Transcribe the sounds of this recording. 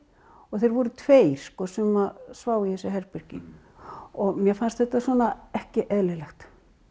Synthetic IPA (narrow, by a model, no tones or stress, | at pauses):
ɔɣθejɾvɔɾʏt̪ʰveːjɾ̥skɔsɛmːaðsvaːwiθɛsɪɦɛɾpɪɾ̥cɪ̰ | ɔɣmjɛfanst̪θɛht̪ːaswɔnaɛhcɪʔɛðlɪlɛxt̪